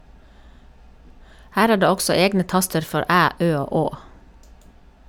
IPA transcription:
ˈhæːɾ ˈæː ˈɖeː ˈɔksɔ ˈeːɡnə ˈtɑstəɾ ˈfɔɾ ˈʔæː ˈʔøː ˈoː ˈoː

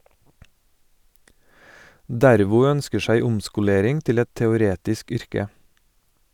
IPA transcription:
ˈdæɾʋʊ ˈœnskə ˈsæɪ ˈʊmskʊˌleːɾɪŋ ˈtɪl ˈɛt tɛʊˈɾeːtɪsk ˈʏɾkə

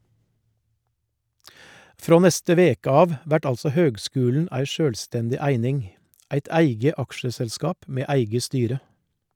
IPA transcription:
ˈfɾoː ˈnɛstə ˈʋeːkə ˈɑːʋ ˈʋæʈ ˈɑlsɔ ˈhøːɡˌskʉːln̩ ˈæɪ ˈʃøːlˌstɛndɪ ˈæɪnɪŋ ˈæɪt ˈæɪɡə ˈɑkʃəsɛlˌskɑːp ˈmeː ˈæɪɡə ˈstyːɾə

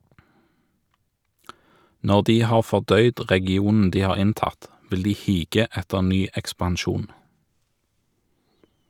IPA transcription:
ˈnɔʁ ˈdiː ˈhɑːʁ fɔʁˈdœʏd ʁɛɡɪˈuːnn̩ ˈdiː ˈhɑːʁ ˈɪnˌtɑt ˈʋɪl ˈdiː ˈhiːɡə ˈɛtəʁ ˈnyː ɛkspɑnˈʃuːn

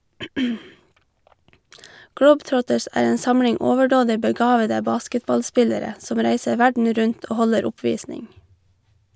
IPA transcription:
ˈɡɽəʊbˌtɾɔtəs ˈæːɹ ˈeːn ˈsɑmɽɪŋ ˈɔʋəɖoːdɪ bəˈɡɑːʋədə ˈbɑːskətbɑlˌspɪləɾə ˈsɔm ˈɾæɪsə ˈʋæɖɳ̩ ˈɾʉɲt ˈoː ˈhɔləɾ ˈʊpʋiːsnɪŋ

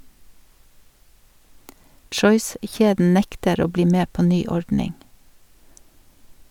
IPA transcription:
ˈtʃɔʏˌsçeːdn̩ ˈnɛktəɾ ˈoː ˈbliː ˈmeː ˈpoː ˈnyː ˈɔɹdnɪŋ

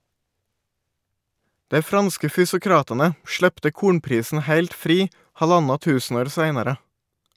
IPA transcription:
ˈdæɪ ˈfɾɑnskə fʏsʊˈkɾɑːtɑnə ˈʃɭɛptə ˈkuːɳpɾiːsn̩ ˈhæɪlt ˈfɾiː ˈhɑˌʎɑnɑ ˈtʉːsn̩ˌoːɾ ˈsæɪnɑɾə

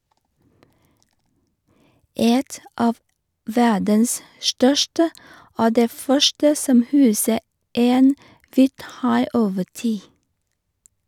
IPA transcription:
ˈɛt ˈʔɑːʋ ˈʋædəns ˈʃʈœʃʈə ˈoː ˈdeː ˈfœʃʈə ˈsɔm ˈhʉːsə ˈeːn ˈʋiːtˌhɑɪ ˈoːʋə ˈtiː

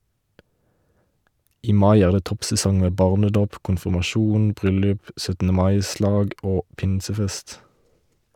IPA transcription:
ˈiː ˈmɑɪ ˈæːʁ ˈdeː ˈtɔpsɛˌsɔŋ ˈmeː ˈbɑːʁnəˌdoːp kʊnfɪmɑˈʃuːn ˈbʁʏlʉp sœtn̩əˈmɑɪˌslɑːɡ ˈoː ˈpɪnsəˌfɛst

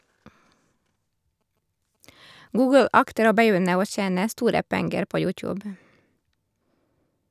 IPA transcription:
ˈɡuːɡəl ˈɑktəɾ ˈoː bəˈjʏnə ˈoː ˈçeːnə ˈstuːɾə ˈpɛŋɡəɾ ˈpoː ˈjʉːˌtjʉːb

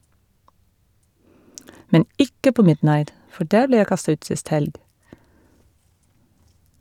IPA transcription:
ˈmɛn ˈɪkə ˈpoː ˈmɪdˌnɑɪt ˈfɔ ˈɖæːɹ ˈbleː ˈjæɪ ˈkɑstɑ ˈʉːt ˈsɪst ˈhɛlɡ

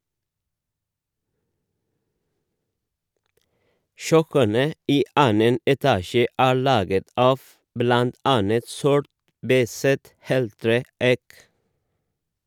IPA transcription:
ˈʃœkənə ˈiː ˈʔɑːnən ɛˈtɑːʃə ˈæːɹ ˈɭɑːɡət ˈɑːf ˈblɑnt ˈɑnət ˈsɔʈ ˈbæɪsət ˈheːlˌtɾeː ˈæɪk

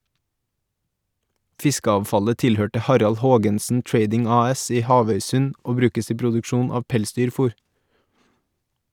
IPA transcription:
ˈfɪskəɑːʋˌfɑlə ˈtɪlˌhøːʈə ˈhɑɾɑl ˈhoːɡənsn̩ ˈtɹeɪdɪŋ ˈɑːˌɛs ˈiː ˈhɑːʋœʏˌsʉn ˈoː ˈbɾʉːkəs ˈiː pɾʊdʉkˈʃuːn ˈɑːʋ ˈpɛlˌsdyːɾˌfuːɾ

